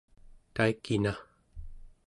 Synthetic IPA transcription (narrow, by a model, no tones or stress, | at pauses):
t̪aikːina